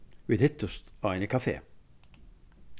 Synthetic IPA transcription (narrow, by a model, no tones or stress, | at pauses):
ʋiːd̪hɪt̪ʊst̪ɑːɪnəkʰɑfḛː